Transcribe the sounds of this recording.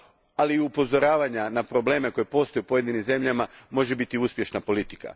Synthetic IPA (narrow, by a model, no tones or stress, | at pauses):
aliupo̞zo̞ɾaːʋaɲanapɾo̞ble̞ːme̞ko̞jepo̞st̪o̞jupojed̪inimze̞mʎamamo̞ʒe̞bit̪iuspʲje̞ʃnapo̞lit̪i̥ka̰